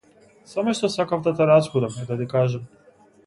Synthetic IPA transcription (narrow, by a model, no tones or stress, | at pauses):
samoʃt̪osakavt̪at̪aɾat͡ʃ̪kud̪amd̪ad̪ikaːʒem